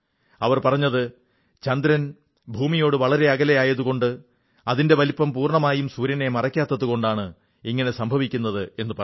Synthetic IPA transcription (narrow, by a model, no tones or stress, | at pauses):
ɐʋɐrpɐrɐɲːɐðɨ | t͡ɕɐnd̪ɾɐn | bʱuːmijo̞ːɽɨʋɐɭɐɾe̞ɐɡɐlejaːjɐðuɣo̞ɳɖɨ | ɐðinde̞ʋɐlipːɐmpuːrɳɐmaːjumsuɾjɐne̞mɐrɐkʲːaːt̪ːɐðuko̞ɳɖaːɳɨ | iŋːɐne̞sɐmbʱɐʋikʲːunːɐðɨe̞nːɨpɐ